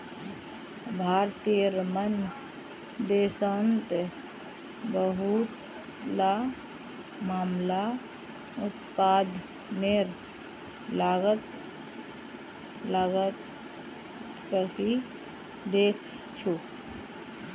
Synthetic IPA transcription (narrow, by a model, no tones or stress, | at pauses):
bʱaːɾt̪ijəɾmən | d̪eːsənt̪ | bəɦut̪ | la | maːmla | ʊt̪paːd̪ʱ | neɾ | laːɡət̪ | laːɡə | kəɾki | d̪eːkʰ | t͡ʃʰu